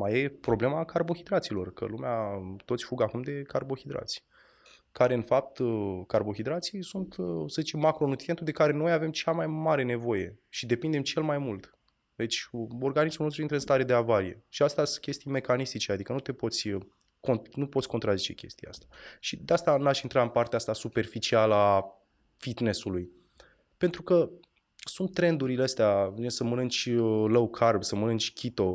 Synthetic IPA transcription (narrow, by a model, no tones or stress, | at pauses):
maje̞pɾo̞ble̞makarbo̞xid̪ɾat̪silo̞̰rkə̰lumeat̪ot̪sʲfuɡakumd̪e̞karbo̞xid̪ɾa̰t̪sʲ | kaɾe̞ɨnfap̚t̪karbo̞xid̪ɾat̪sijsunt̪səzit͡ʃe̞mːakɾo̞nut̪ɾiet̪ud̪e̞kaɾe̞no̞jave̞mt͡ʃamajmaɾe̞ne̞vo̞je̞̰ʃid̪e̞pind̪e̞mt͡ʃe̞lmajmult̪ | d̪e̞t͡ʃʲo̞rɡanismunost̪ɾuint̪ɾenst̪aɾe̞d̪eavaɾije̞̰ʃiast̪easkʲe̞st̪ijme̞kanist̪it͡ʃead̪ikənut̪e̞po̞t̪sʲ | ko̞nnupo̞t̪sʲko̞nt̪ɾazit͡ʃe̞̰kʲe̞̰st̪ija̰a̰st̪eaʃid̪east̪anaʃint̪ɾaɨnpart̪east̪asupe̞rfit͡ʃialəa | fid̪ne̞suluj | pe̞nt̪ɾukə | sunt̪ːɾe̞nd̪uɾileəst̪eaesəmənɨnt͡ʃʲləwkʰarbsəmənɨnt͡ʃʲkʲʰit̪o̞